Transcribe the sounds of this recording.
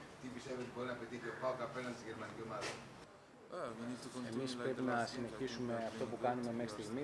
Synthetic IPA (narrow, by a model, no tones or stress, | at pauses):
t̪ipist̪eviot̪ibo̞ɾinɐpe̞t̪içiopɐokɐpenɐst̪izʝe̞ɾmɐnicio̞mɐðɐ | e̞mispɾe̞pinɐsine̞çisume̞ɐft̪o̞pukɐnume̞mexɾist̪iɣmi